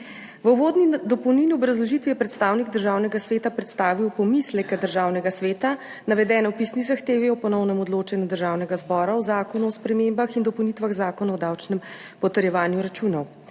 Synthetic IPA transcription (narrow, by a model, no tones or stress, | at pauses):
ʋəʋod̪nid̪ɔpɔwniniɔbɾazlɔʒit̪ʋijɛpɾɛt̪st̪aːwniɡd̪əɾʒawnɛɡasʋeːt̪apɾɛt̪st̪aːʋiwpɔmislɛkɛd̪əɾʒaːwnɛɡasʋeːt̪a | naʋɛd̪ɛːnɛwpisnizaxt̪eːʋiɔpɔnɔwnɛmɔd̪loːt͡ʃanjud̪əɾʒaːwnɛɡazbɔːɾaɔzaːkɔnuɔspɾɛmembaxind̪ɔpɔwnit̪ʋaɣzaːkɔnaɔd̪awt͡ʃnɛm | pɔt̪əɾjɛʋaːnjuɾat͡ʃuːnɔw